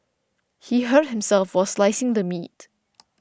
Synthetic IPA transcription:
hiɦət̚hɪ̃msɛlfwɔslaɪsɪ̃ŋd̪əmḭt̚

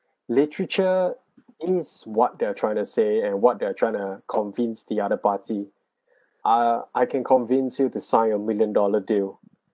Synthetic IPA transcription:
litɹət͡ʃə | ɪswɔt̚deatʰɹaɪɪ̃ŋtuseɛ̃nwɔt̚deatʰɹ̥aɪɪ̃ŋtukʰɔ̃nvĩnsdiaɾəpati | ʔaʔaɪkʰɛ̃nkʰɔ̃nvĩnsjutusãɪ̃nəmiljə̃ndɔlədi

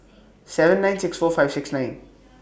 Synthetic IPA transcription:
sɛvə̃nːãɪ̃nsɪksfɔːfajv̥sɪksnãɪ̃n

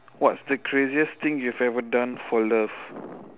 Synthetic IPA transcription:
wɔtsdəkʰɹeziəst̪ĩŋjuɛvɛvədãnfɔlaf

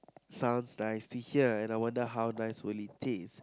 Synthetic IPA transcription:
sãʊ̃nsnaɪstʰuhiəɛ̃najwãndəɦawnajswɪlitʰɪs

